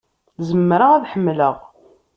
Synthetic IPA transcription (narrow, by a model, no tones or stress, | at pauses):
zəmːɾaæðħəmːləʁ